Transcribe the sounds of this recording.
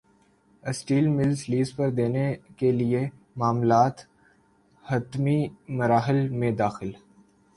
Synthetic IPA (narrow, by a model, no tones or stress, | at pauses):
əsʈiːlmɪlsliːzpɐɾd̪eːnekelie | maːmlaːt̪ | hɐt̪mimɐɾaːɦɪlmẽd̪aːxɪl